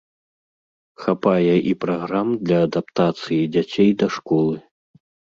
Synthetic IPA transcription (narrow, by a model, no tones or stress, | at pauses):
xapajɛʔipɾaɣɾamd̪lʲɐːd̪ap̚t̪at̪sɨjid͡zʲat͡sʲejd̪ɐʂkɔlˠɨ